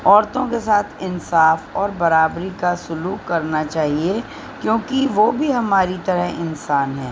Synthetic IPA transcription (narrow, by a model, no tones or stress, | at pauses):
ɔːɾt̪õkesaːt̪ʰɪnsaːfɔːɾbɐɾaːbɾikasʊluːkːɐɾnat͡ʃaːɦie | kjõːkiʋoːbʱiɦɐmaːɾit̪ɐɾəɦɪnsaːnɦɛː